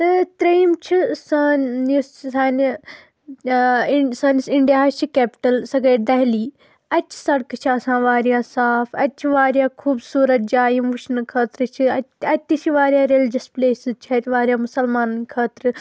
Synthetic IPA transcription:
ɨt̪ɾiːmt͡ʃʰisaissaːn | saːnisiɳɖijaːt͡ʃʰikeːpi̥ʈɐlsɐɡɐːd̪ɐɦliː | ɐt͡ʃʰi̥sɐɽkɨt͡ʃʰiɐsãːʋaːɾijaːsaːpʰɐt͡ʃʰiʋaːɾjaːkʰuːbsuːɾɐt̪̚d͡ʒaːimuʃnɨkʰɐːt̪ɾɨt͡ʃʰiɐtɐt̪ʲːit͡ʃʰiʋaːɾʲjaːɾelid͡ʒɐspleːsizt͡ʃʰɐt̪ʋaːɾjaːmʊsɐlmaːnɐnkʰɐːt̪ɾɨ

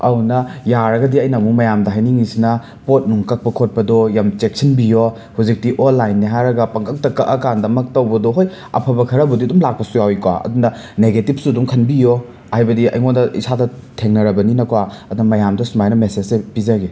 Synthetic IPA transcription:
ɐ̰wnɐjaɾɐɡɐdiɐjnɐmumɐjamdɐɦajniŋisinɐ | pot̚nuŋkɐk̚pɐkʰot̚pɐdɔjamt͡ʃek̚sɐnbijo | huzik̚tiʔolːajnːiɦajɾɐɡɐpɐŋkʰɐk̚tɐkɐʔɐkandɐmɐk̚tɐwbɐdɔɦoj | ɐ̰pʰɐbɐkʰɐɾɐbɐdiɐdumlak̚pɐsujawikwa̰ɐ̰dunɐneɡetip̚suɐdumkʰɐnbijo | hajbɐdiɐ̰jŋondɐʔḭsʰadɐtʰeŋnɐɾɐbɐninɐkwaɐdunɐmɐjamdɐsumajnɐmesezsepizɐɡi

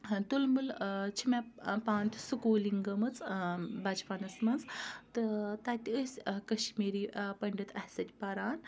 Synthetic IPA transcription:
t̪ulmult͡ʃʰimapaːnt̪ʰsukuːliŋɡɐmɐt͡sbɐd͡ʒpanɐsmɐnzt̪ɨt̪at̪ʲiəsʲkɐʃmeːɾiːpɐɳɖit̪ɐhʲsɐt̪ʲpɐɾaːn

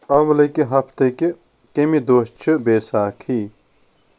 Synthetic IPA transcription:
ɐmlɐjkeɦɐpʰt̪ɐke | kemid̪oːst͡ʃʰɨbeːsaːkʰiː

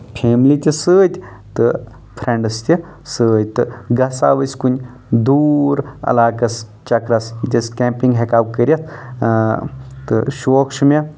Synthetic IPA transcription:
pʰeːmlit̪ʲisɨːt̪ʲ | t̪ɨ | pʰɾeɳɖɨst̪ʲi | sɨːt̪ɨɡɐsa̰ːʋəsʲkunʲ | d̪uːɾɐ̰laːkɐs | t͡ʃɐkɾɐsit̪ʲɐskʲempiŋɡɦekaːwkəɾʲɐt̪ʰ | t̪ɨ̰ʃoːkʂɨmʲe

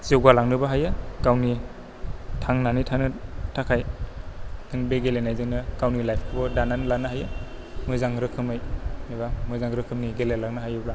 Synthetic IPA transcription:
zewɡalaŋnɯbaɦajakawni | tʰaŋnanitʰaŋnɯtʰakʰaj | ɯŋbeɡelenajzɯŋnɯkawnilajpʰkʰɯbɔdananlanɯɦajɯ | mɯjzaŋɾɯkʰɯmɯjnibamɯjzaŋɾɯkʰɯmniɡelelaŋnɯɦajɯbla

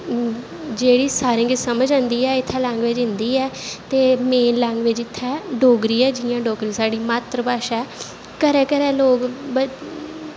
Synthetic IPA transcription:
d͡ʒeːɽiːsaːɾĩːɡɪt͡ʃsəməd͡ʒãːnd̪iːɛːɪt̪ʰːɛːlɛ̃ːŋɡʋed͡ʒɦɪ̃nd̪iːɛːt̪eːmeːnlɛ̃ːŋɡʋɪd͡ʒɪt̪ʰːɛːɖoːɡɾiːɛːd͡ʒɪːjãːɖoːɡɾĩsaːɖiːmaːt̪ɾəbaːʃɛː | kəɾɛːkəɾɛːloːɡb

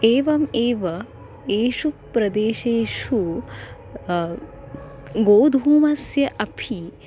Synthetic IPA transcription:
eːʋɐmeːʋɐ | eːʃupɾɐd̪eːʃeːʃu | ɡoːd̪ʱuːmɐsjɐʔɐpʰi

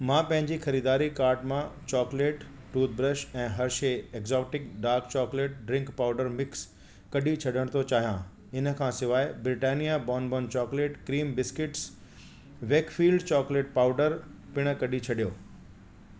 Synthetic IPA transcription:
mãpɐ̃ɦɪ̃ɲd͡ʑixɐɾiːd̪aːɾikaːɾʈmãt͡ɕɔːkleːʈ | ʈuːt̪̚bɾəʃɛ̃ːɦɐɾʃeeːkzɔːʈɪk̚ɖaːɾkt͡ɕɔːkleːʈ̚ɖɾɪ̃ŋkpaːʊɖəɾmɪks | kɐɗit͡ɕʰɐɗəɽ̃t̪ʰot͡ɕaːɦijã | ɪnə̆kʰãːsɪʋaːɪbɾɪʈaːnijabɔːnbɔːnt͡ɕɔːkleːʈkɾiːmbɪskɪʈs | ʋeːkfiːlɖt͡ɕɔːkleːʈ̚paːʊɖəɾ | pɪɽ̃əkɐɗit͡ɕʰɐɗijo̰ː

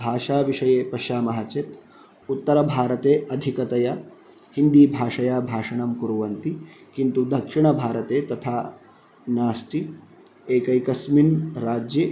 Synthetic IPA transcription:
bʱaːʂaːʋiʂɐjeːpɐʃaːmɐɦɐt͡ʃet̪ | ut̪ːɐɾɐbʱaːɾɐt̪eːʔɐd̪ʱikɐt̪ɐjɐ | hind̪iːbʱaːʂɐjaːbʱaːʂɐɳɐmkuɾuʋɐnt̪i | kint̪ud̪ɐkʂiɳɐbʱaːɾɐt̪eːt̪ɐt̪ʰaː | naːsʈ̪i | eːkɐjkɐsminɾaːd͡ʒje

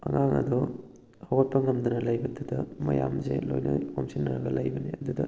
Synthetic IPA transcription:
ɐ̰ŋaŋɐ̰d̪ɔ | hawɐt̚pɐŋɐmdunɐlɐjbɐd̪udɐmɐ̰ja̰mzelojnɐhomsinːɐɾɐɡɐlɐjbɐniɐdudɐ

